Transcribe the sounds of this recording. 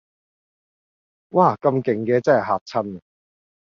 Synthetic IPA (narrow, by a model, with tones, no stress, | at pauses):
waː˥˩kɐ˧mkɪ˨˩ŋkɛː˧t͡sɐ˥˩ɐ˨˩ɦaː˧t̚t͡sʰɐ˥n˨